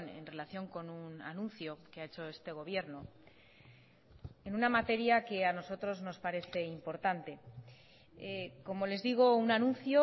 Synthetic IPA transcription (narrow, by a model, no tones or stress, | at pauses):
ne̞̰nre̞laθjo̞ŋko̞nuna̰nũnθjo̞keae̞t͡ʃo̞e̞st̪e̞ɣ̞o̞β̞je̞ɾno | enunamat̪e̞ɾjake̞ano̞so̞t̪ɾo̞zno̞spaɾe̞θe̞impo̞ɾt̪ant̪e̞ | ko̞mo̞le̞zðiɣ̞o̞unanũnθjo̞